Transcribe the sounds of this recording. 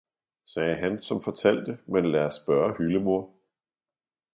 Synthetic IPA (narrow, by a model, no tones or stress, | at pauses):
sɛːɦænsɒ̽mfɒ̽t͡sʰæl̰d̥əmenlæːɐsb̥ɶːɐhyləmo̝ɐ̰